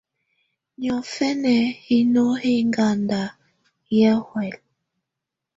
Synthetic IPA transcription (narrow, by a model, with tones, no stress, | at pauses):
ɲɔ˨fɛ˦nɛ˨hi˦nɔ˦hi˦ŋɡa˨nda˨ | jɛ˦hwɛ˨l